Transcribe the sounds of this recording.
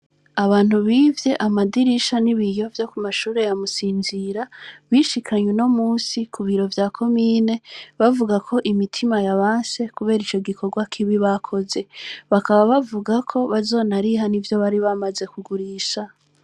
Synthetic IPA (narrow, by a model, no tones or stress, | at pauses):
aβaːn̥huβiːvje̞ʔamadiɾiʃaniβijo̞vjo̞kumaʃuːɾe̞jamusiːnziɾaβiʃikʰaɲwuno̞muːsikʰuβiɾo̞vjaːkʰo̞miːne̞βavuɡakʰo̞ʔimitʰimajaβaːnse̞kuβe̞ːɾit͡ʃo̞ɡikʰo̞ɾɡwakʰiβiβakʰo̞ze̞βakaβaβavuɡakʰo̞βazo̞ːnaɾiɦanivjo̞βaɾiβamaze̞kuɡuɾiːʃa